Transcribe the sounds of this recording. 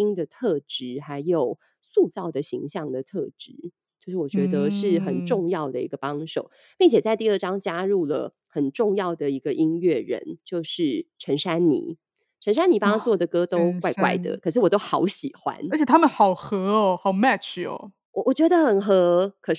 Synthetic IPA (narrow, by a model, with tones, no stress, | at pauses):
i˥ŋd̪ə˨˩t̪ʰɤ˥˩ʈ͡ʂɻ̩˧˥xa˧˥ɪjo˨˩ʊ | su˥˧t͡sɑ˥˩ʊd̪ə˩ɕi˧˥ŋɕjɑ˥˩ŋd̪ə˩t̪ʰɤ˥˩ʈ͡ʂɻ̩˧˥ | t͡ɕjo˥˧ʊʂɻ̩˥˩wɔ˨˩t͡ɕɥɛ˧˥d̪ə˧ʂɻ̩˥˩xə˨˩nʈ͡ʂʊ˥˧ŋjɑ˥˩ʊd̪ə˩ḭ˧˥ɡə˧pɑ˥ŋʂo̰˨˩ʊ | pi˥˩ŋt͡ɕʰjɛ˨˩t͡sa˥˧ɪt̪i˥˧ə˥˩ʈ͡ʂɑ˥ŋt͡ɕja˥ɻu˥˩lə̰˩ | xə˨˩nʈ͡ʂʊ˥˧ŋjɑ˥˩ʊd̪ə˩i˧˥ɡə˧ʔi˥nɥɛ˥˩ɻə̰˧˦nt͡ɕjo˥˧ʊʂɻ̩˥˩ʈ͡ʂʰə˧˥nʂa˥nnḭ˨˩˦ | ʈ͡ʂʰə˧˥nʂa˥ni˨˩pɑ˥t͡swɔ˥˩d̪ə˩kɤ˥t̪o˥ʊkwa˥˧ɪkwa̰˥˩ɪd̪ə̰˩kʰə˨˩ʂɻ̩˥˩wɔ˨˩t̪o˥ʊxɑ̰˧˥ʊɕi˨˩xwa̰˥nə˧˥t͡ɕʰɛ˨˩t̪ʰa˥mə˨nxɑ˨˩ʊxɤ˧˥˧xɑ˨˩ʊmæ˥˧t͡ʃo̰˨˩ | wɔ˨˩wɔ˨˩t͡ɕɥɛ˧˥d̪ə˧xə˨˩nxɤ˧˥kʰə˨˩ʂ